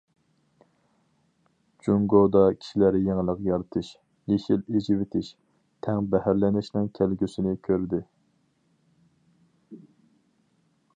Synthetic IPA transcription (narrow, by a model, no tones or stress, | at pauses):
d͡ʒuŋɡod̪ɑkʲʰi̥ʃilæɾjeŋɪlˠəqjɑɾɨt̪ʰɨʃ | jeʃiled͡ʒiwɪt̪ʰɪʃ | t̪ʰɛŋbɛhæɾlɛnɪʃnɨŋkʲʰælɡʲysɪnɪkʲʰøɾd̪ɪ